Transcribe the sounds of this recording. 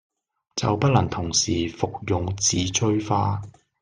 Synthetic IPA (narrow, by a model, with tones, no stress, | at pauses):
t͡sɐ̰˨wpɐ˥t̚lɐ˨˩ŋt̪ʰʊ˨˩ŋsiː˨˩fʊ˨k̚jʊ˨ŋt͡siː˨˧t͡ʃʰɵ˥ɥfaː˧˥